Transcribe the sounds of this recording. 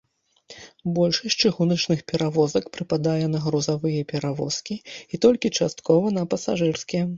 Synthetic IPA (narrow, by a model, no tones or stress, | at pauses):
bɔlʲʂɐsʲt͡ʂɨɣunɐt͡ʂnɨxpʲɛɾavɔzɐkpɾɨpad̪ajɛnɐɣɾuzavɨjɛpʲɛɾavɔ̰skʲiit̪ɔlʲkʲit͡ʂast̪kɔvɐnɐpɐsaʐɨrskʲɛɛ